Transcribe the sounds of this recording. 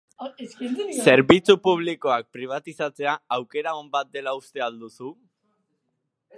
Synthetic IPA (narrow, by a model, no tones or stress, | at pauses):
se̞ɾβit͡supuβ̞liko̞ak̚pɾiβ̞at̪isat͡se̞aawke̞ɾao̞mbat̪̚d̪e̞laust̪e̞ald̪usu